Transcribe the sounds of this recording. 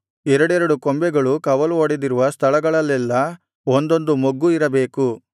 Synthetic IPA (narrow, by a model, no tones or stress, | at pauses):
ɛɾɐɽɛɾɐɽukombɛɡɐɭukɐʋɐluoɽid̪iɾuʋɐst̪ʰɐɭɐɡɐɭɐlːɛlːɐ | ond̪o̞nd̪umoɡːuiɾɐbe̞ːku